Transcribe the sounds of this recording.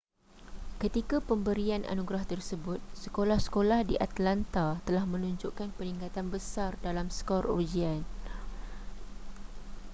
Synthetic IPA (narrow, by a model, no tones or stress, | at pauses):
kət̪ikapəmbəɾianʔa̰nũɡɾaht̪ərsəbʊt̪̚səkolahsə̥kolahdiʔat̪lant̪at̪əlahmə̃nũɲd͡ʒoʔkanpənĩŋkat̪anbəsardalamsə̥kɔrod͡ʒian